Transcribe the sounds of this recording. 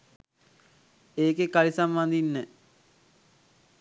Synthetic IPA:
eːkekalisamband̪inːə

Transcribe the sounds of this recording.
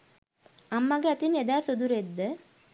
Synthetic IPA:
ɐmːɐɡɐt̪ined̪aːsed̪uɾed̪ːə

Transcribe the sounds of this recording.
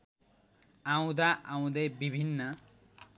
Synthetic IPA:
aw̃d̪aʔaw̃d̪ʌjbibʱinːʌ

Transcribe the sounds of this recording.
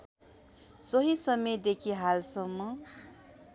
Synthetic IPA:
sʌɦisʌmed̪ekʰiɦalsʌmːʌ

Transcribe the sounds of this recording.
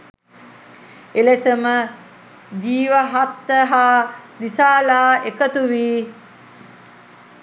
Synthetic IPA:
elesəmə | d̪iːʋaɦat̪ːəɦaːlisaːlaːekət̪uʋiː

